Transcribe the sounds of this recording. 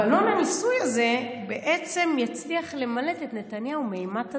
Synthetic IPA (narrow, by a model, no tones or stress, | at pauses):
alo̞nanisujaze̞be̞ʔe̞t͡se̞mjat͡sliaχle̞male̞tetnetanjaumeimat